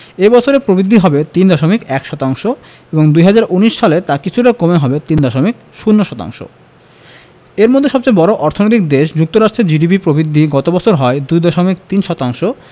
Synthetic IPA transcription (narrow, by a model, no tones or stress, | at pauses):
ebɔt͡ɕʰoɾepɾobid̪ʱːiɦɔbet̪ind̪ɔʃomikɛkʃɔt̪aŋʃo | eboŋd̪ujɦad͡ʑaɾʔuniʃʃalet̪akit͡ɕʰuʈakomeɦɔbet̪ind̪ɔʃomik̚ | ʃunːoʃɔt̪a̰ŋʃo̰ | eɾmod̪ʱːeʃɔb̚t͡ɕajbɔɾoʔɔɾt̪ʰonojt̪ik̚d̪eʃd͡ʑuk̚t̪oɾaʃʈɾeɾd͡ʑiɖipipɾobɾid̪ʱːiɡɔt̪obɔt͡ɕʰoɾɦɔed̪ujd̪ɔʃomik̚t̪inʃɔt̪aŋʃo